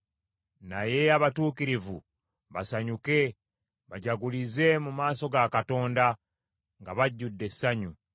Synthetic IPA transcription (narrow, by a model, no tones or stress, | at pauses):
naje̞aβatuːkiɾivṵ | βasaɲuke̞ | βaɟaɡulize̞mumaːso̞ɡakato̞ːnda | ŋɡaβaɟːudːe̞sːaɲu